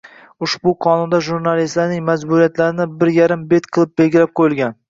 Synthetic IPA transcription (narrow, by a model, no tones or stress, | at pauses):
ʊʃbʊqʰɒnʊnd̪aʒuɾnalist̪laɾnɪŋmazbʊɾijat̪laɾɪnɪbɪɾjaɾɪmbe̞t̪qʰɨlˠɪp̚belɡʲɪlap̚qʰojɪlˠɡʲan